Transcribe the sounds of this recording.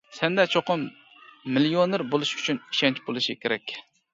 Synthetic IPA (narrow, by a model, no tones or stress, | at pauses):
sɛnd̪ɛt͡ʃʰoqʊmː | ɪljoneɾbolˠuʃy̥t͡ʃʰyniʃɛnt͡ʃbolˠɨʃikʲʰeɾɛkʲ